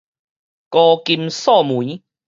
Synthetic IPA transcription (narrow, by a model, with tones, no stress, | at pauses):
kɔ˧ki˧msɔ˥˨mũ˨˦